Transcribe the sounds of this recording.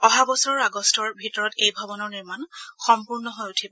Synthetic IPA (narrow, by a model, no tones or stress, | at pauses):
ɔɦabɔsɔɹɔɹaɡɔstɔɹbʱitɔɹɔtejbʱɔbɔnɔɹniɹmanxɔmpuɹnɔɦɔjutʰibɔ